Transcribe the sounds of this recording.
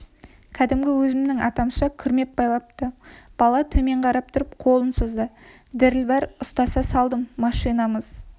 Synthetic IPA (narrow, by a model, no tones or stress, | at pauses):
kʲʰæd̪ɪmɡʲɪwɵzɪmd̪ɪŋɑt̪ɑmʃɑkʲʰʏɾme̞p̚bɑjlˠɑp̚t̪əb̥ɑlˠɑt̪ʰɵme̞ɴqʰɑɾɑp̚t̪ʰʊɾəp̚qʰo̞lˠənsəzd̪ə | d̪ɪɾɪlbɑɾʊst̪ɑsɑsɑlˠd̪əmːɑʃijnɑməz̥